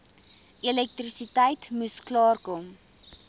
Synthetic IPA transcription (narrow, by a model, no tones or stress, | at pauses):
ilɛk̚trisitəjtmusklɑːrkɔm